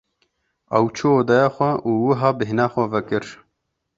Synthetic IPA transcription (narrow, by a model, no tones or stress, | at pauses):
ɐ̰wt͡ʃʰuoːd̪ɑjɑːxʷɛuːwɨɦɑːbɨɦnɑːxʷɛvɛkɨɾ